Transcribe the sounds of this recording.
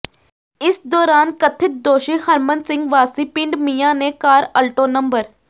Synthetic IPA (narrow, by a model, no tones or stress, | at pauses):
ɪsd̪ɔːɾaːnkət̪ʰːɪt̪̚d̪oːʃihəɾmə̃nsɪ̃ŋɡʋaːsipɪ̃ɳɖmijãːnekaːɾəlʈoːnɐ̃mbəɾ